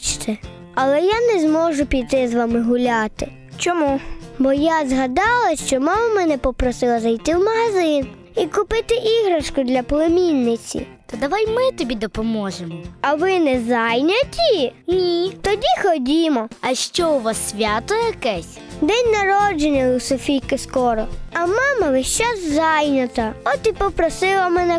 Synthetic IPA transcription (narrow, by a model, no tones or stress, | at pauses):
t͡ʃt̪ʰɛ | ɐlˠɛjanɛzmɔʒʊpʲid̪t̪ɪzʋɑmɪɦʊlʲɑt̪ɪ | t͡ʃɔmubɔjazɦɐd̪ɑlˠɐʃt͡ʃɔmɑmɐmɛnɛpɔpɾɔsɪlˠɐzɐjt̪ɪwmɐɦɐzɪn | ikʊpɪt̪ɪʔiɦɾɐʃkʊd̪lʲɐpɔlˠemʲinʲːɪt͡sʲḭt̪ɐd̪ɐʋajmɪt̪ɔbʲid̪ɔpɔmɔʒemɔɐʋɪnɛzɑjnʲɐtʲinʲit̪ɔdʲixɔdʲimɔɐʃt͡ʃɔʊʋasːʲʋʲat̪ɔjɐkɛsʲ | d̪ɛnʲnɐɾɔd͡ʒenʲːɐusɔfʲijkɪskɔɾɔɐmɑmɐʋɪʃt͡ʃaszɑjnʲɐt̪ɐɔt̪ipɔpɾɔsɪlˠɐmɛnɛ